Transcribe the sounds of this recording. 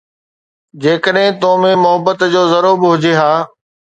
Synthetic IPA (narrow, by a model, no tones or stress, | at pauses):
d͡ʑeːkəɗɦɪ̃t̪oːmẽmʊɦəbət̪d͡ʑoːzɐɾoːbɪɦʊd͡ʑeɦaː